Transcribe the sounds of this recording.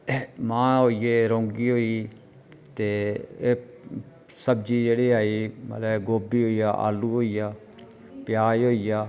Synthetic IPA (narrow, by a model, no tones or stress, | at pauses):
mãːɦoːijeːɾõːŋɡiːɦoːiː | t̪eːeː | səbd͡ʒiːd͡ʒeːɽiːaːiːmə̰t̪ləɡoːbiːɦoːijaːʔa̰ːluːɦoːijaː | pjaːiɦoːijaː